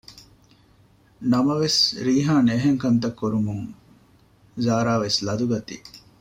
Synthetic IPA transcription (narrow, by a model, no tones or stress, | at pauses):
nɐmɐʋesɾiːɦaːneɦeŋkɐnt̪ɐkːuɾumuŋ | zaːɾaːʋeslɐd̪uɡɐt̪ḭ